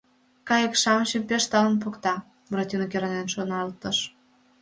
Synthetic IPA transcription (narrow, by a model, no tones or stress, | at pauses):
kɑjəkʃɑmɕəpeʃt̪ɑlənpokt̪ɑ | brot̪ʲinokeɾɑnenʃonɑlt̪əʃ